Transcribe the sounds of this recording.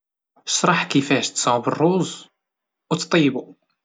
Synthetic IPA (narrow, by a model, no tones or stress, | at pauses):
ʃɾˤɑħkifæʃt̪sˤʕubərˤːuzˤ | wt̪t̪ˤijːbu